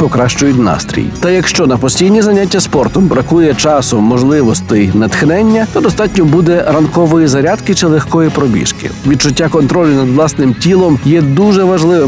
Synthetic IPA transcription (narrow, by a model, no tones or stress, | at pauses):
pɔkɾɑʃt͡ʃʊjʊtʲnɑ̰st̪ɾʲḭjt̪ɐjɐkʃt͡ʃɔnɐpɔsʲtʲijnʲizɐnʲatʲːɐspɔrt̪ɔmbɾɐkujɛt͡ʃɑsɔmːɔʒlˠɪʋɔst̪ɪjnɐt̪xnɛnʲːɐt̪ɔd̪ɔst̪ɑtʲnʲɔbud̪ɛɾɐnkɔʋɔjizɐɾʲad̪kɪt͡ʃɪlˠexkɔjipɾɔbʲḭʃkɪ̰ʋʲid̪̚t͡ʃʊtʲːakɔnt̪ɾɔlʲʊnɐd̪ʋlˠɑsnɪmtʲilˠɔmjɛd̪uʒɛʋɐʒlˠɪʋɪ